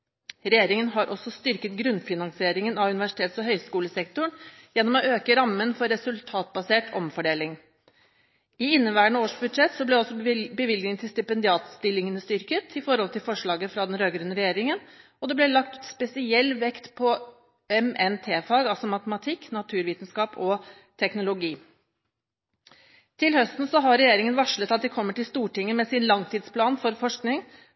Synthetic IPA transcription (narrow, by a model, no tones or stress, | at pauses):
ɾɛjeːɾɪŋənɦɑɾʔɔsɔst̪ʏɾkət̪ɡɾʉnfɪnɑŋsɪeːɾɪŋənɑʉnɪʋæʂɪt̪ʰeːt̪sɔɦœʏskuːləsɛkt̪ʊɳ | jɛnːɔmɔøːkəɾɑmːənfɔɾɛsʉlt̪ʰɑːt̪̚bɑseːʈɔmfɔɖeːlɪŋ | ɪɪnːəʋæːɳəoːʂbʉd̪ʂɛt̪sɔblɛɔsːɔbəʋɪlɡnɪŋt̪ʰɪlst̪ɪpɛnd̪ɪɑːt̪st̪ɪlːɪŋənəst̪ʏɾkət̪ʰɪfɔɾhɔlt̪ʰɪlfɔʂɭɑːɡəfɾɑd̪ɛnɾøːɡɾʉnːəɾɛjeːɾɪŋən | ɔd̪ɛblɛlɑk̚t̪spɛsɪɛlːʋɛkt̪pʰɔ | ɛmɛnt̪ʰeːfɑɡɑlsɔmɑt̪əmɑt̪ʰɪkːnɑt̪ʰʉːɾʋiːt̪n̩skɑːpɔ | t̪ʰɛknʊlʊɡiː | t̪ʰɪlhœst̪n̩sɔɦɑɾɛjeːɾɪŋənʋɑʂɭət̪ɑt̪̚d̪ɛkʰɔmːəʈɪlst̪uːʈɪŋːəmeːsɪnlɑŋt̪ʰiːd̪spʰlɑːnfɔɾfɔʂknɪŋ